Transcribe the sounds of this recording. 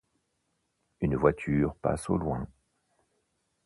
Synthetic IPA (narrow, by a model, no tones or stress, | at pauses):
ynvwat̪ʰyʁpa̰so̰lwɛ̃